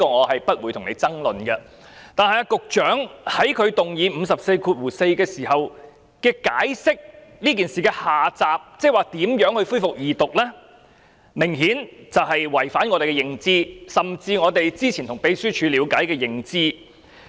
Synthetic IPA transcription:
ɔː˧ŋɔː˨˧hɐ˨jpɐ˥t̚wuː˨˧tʰʊ˨ŋnḛ˨˧jt͡sɐ˥ŋlɵ˨nɡɐ˧ | t̪aː˨nhɐ˨jaː˧kʊ˨k̚t͡ʃœː˨˥ŋhɐ˨˥jkʰɵ˨˧ɥt̪ʊ˨ŋjiː˨˧m̩˨˧sɐ˨p̚se˧jkʰuː˧t̚wuː˨˩se˧jkɛː˧siː˨˩hɐ˨w | kɛː˧kaː˨˥jsɪ˥k̚liː˥k̬i˨nsiː˨kɛː˧haː˨t͡saː˨p̚t͡sɛː˥waː˨t̪iː˨˥mjœː˨˥ŋhɵ˧ɥfuː˥fʊ˨k̚jiː˨t̪ʊ˨k̚lɛː˥ | mɪ˨˩ŋhiː˨˥nt͡sɐ˨whɐ˨jwɐ˨˩jfaː˨˥nŋɔː˧t̪e˨jkɛ˧jɪ˨ŋt͡siː˧˥sɐ˨mt͡siː˧ŋɔː˨˧t̪e˨jt͡siː˥t͡sʰi˨˩nt̪ʊ˨˩ŋpe˨˥jsyː˥t͡ʃʰyː˨˧liː˨˧˥wkaː˨˥jkɛː˧jɪ˨˩ŋt͡siː˧

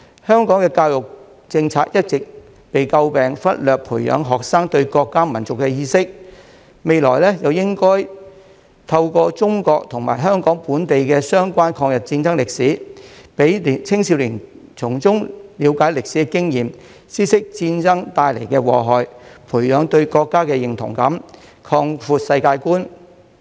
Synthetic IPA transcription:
hœː˥ŋkɔː˨˥ŋkɛː˧kaː˧wjʊ˨k̚ | t͡sɪ˧ŋt͡sʰaː˧k̚jɐ˥t̚t͡sɪ˨k̚ | pe˨jkɐ˧wpɛː˨ŋfɐ˥t̚lœː˨k̚pʰuː˨˩jœ̰ː˨˧ŋɦɔː˨k̚saː˥ŋt̪ɵ˧ɥkɔː˧kːaː˥mɐ˨˩nt͡sʊ˨kːɛ˧jiː˧sɪ˥k̚ | me˨jlɔ̰ː˨˩jlɛ˥jɐ˨wjɪ˥ŋkɔː˥j | t̪ʰɐ˧wkɔː˧t͡sʊ˥ŋkɔː˧k̚t̪ʰʊ˨˩ŋma̰ː˨˩jɦœː˥ŋkɔː˨˥ŋpuː˨˥nt̪e˨jkɛː˧sœː˥ŋkʷaː˥nkʰɔː˧ŋjɐ˨t̚t͡siː˧nt͡sɐ˥ŋlɪ˨k̚siː˨˥pe˨˥jt͡sʰɪ˥ŋsi˧wlɪ˨˩ŋ | t͡sʰʊ˨˩ŋt͡sʊ˥ŋliː˨˧wkaː˨˥jlɪ˨k̚si˨˦˥kɪ˥ŋjiː˨m | siː˥sɪ˥k̚t͡siː˧nt͡sɐ˥ŋt̪aː˧jle˨˩jkɛː˧wɔ̰ː˨ɦɔː˨jpʰuː˨˩jjœː˨˧ŋt̪ɵ˧ɥkɔː˧kːaː˥kɛː˧jɪ˨ŋt̪ʰʊ̰˨˩ŋkɐ˨˥mkʰɔː˧ŋfuː˧t̚sɐ˧jkaː˧jkuː˥n

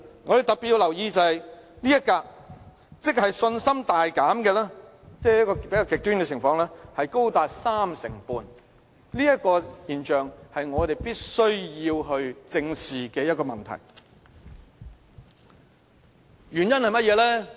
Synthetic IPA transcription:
ŋɔ˨˧d̪e˨t̪ɐ˨k̚pːi˨t̚ji˧wlɐ˨˩wjiː˧t͡sɐ˨˧hɐ˨jnliː˥jɐ˥t̚kaː˧k̚ | t͡sɪ˥k̚hɐ˨jsɵ˧nsɐ˥mt̪aː˨jkaː˨˥mkɛː˧lɛː˥ | t͡sɛː˥jɐ˥kɔː˧pe˨˥jkaː˧kɪ˨k̚t̪yː˥nkɛ˧t͡sʰɪ˨˩ŋfɔː˧ŋlɛː˥hɐ˨jko˥wt̪aː˨t̚saː˥msɪ̰˨˩ŋpuː˧n | liː˥jɐ˥t̚kɔː˧jiː˨nt͡ʃœː˨˩ŋhɐ˨jŋɔː˨˧t̪e˨jpiː˥t̚sɵ˥ɥjiː˧wɦɵ˧ɥt͡sɪ˧ŋsiː˨˩kɛː˧jɐ˥t̚kɔː˧mɐ̰˨˩nt̪ʰɐ̰˨˩j | jyː˨˩njɐ˥nhɐ˨jmɐ˥t̚jɛː˨˧lɛː˥

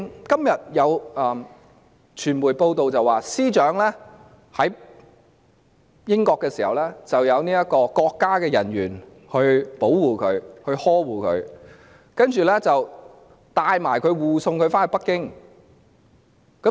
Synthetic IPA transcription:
kɐ˥mjɐ˨t̚jɐ˨˧w | t͡ʃʰyː˨˩nmuː˨˩jpo˧wt̪o˨wt͡sɐ˨waː˨˩siː˥t͡ʃœː˨˥ŋlɛː˥ | hɐ˨˥j | jɪ˥ŋkɔː˧kːɛː˧siː˨˩hɐ̰˨wlɛː˥t͡sɐ˨wjɐ˨˧wniː˥jɐ˥t̚kɔː˧kɔː˧kːaː˥kɛː˧jɐ˨˩nɥyː˨˩n | hɵ˧ɥpo˨˥wwuː˨kʰɵ˨˧ɥhɵ˧ɥhɔː˥wuː˨kʰɵ̰˨˧ɥ | kɐ˥nt͡ʃyː˨lɛː˥t͡sɐ˨w | t̪aː˧jmaː˨˩jkʰɵ˨˧ɥwuː˨sʊ˧ŋkʰɵ˨˧ɥfaː˥nhɵ˨˧pɐ˥kːɪ˥ŋ | kɐ˨˦

